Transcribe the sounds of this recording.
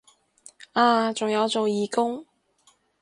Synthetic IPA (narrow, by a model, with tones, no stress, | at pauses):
aː˧t͡sʊ˨ŋjɐ˨˧wt͡so˨wjiː˨˧kʊ˥ŋ